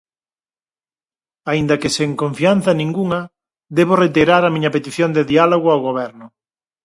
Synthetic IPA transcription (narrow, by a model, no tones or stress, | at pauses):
aind̪ɐkeseŋkõɱfian̟θanĩŋɡuŋɐ | d̪eβoret̪iɾaɾamĩɲɐpet̪iθjond̪eðialoɣ̞oawɣoβɛɾnʊ